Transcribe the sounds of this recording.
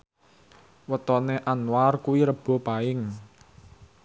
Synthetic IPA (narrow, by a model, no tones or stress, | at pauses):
wət̪ɔneʔanwarkuwiɾəb̥ɔ̤paɪŋ